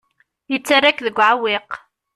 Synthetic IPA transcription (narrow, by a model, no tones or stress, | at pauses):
jət͡sːarːakðəɡʷʕawɪq